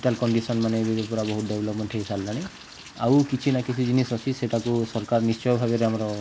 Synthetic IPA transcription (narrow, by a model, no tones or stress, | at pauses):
ʈalkɔɳɖisɔnmanebebepɔɾabɔɦut̪̚debʱlɔpmenʈʰekisʰallaɽ̃i | a̰wkit͡ʃʰinakit͡ʃʰid͡ʒinisɔsʰiseʈakusɔɾkaɾnist͡ʃɔjɔbʱabeɾeamaɾɔ